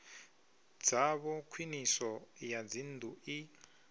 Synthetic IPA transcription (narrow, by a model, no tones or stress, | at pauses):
d͡zaβɔkʰwinisɔjad͡zindʱui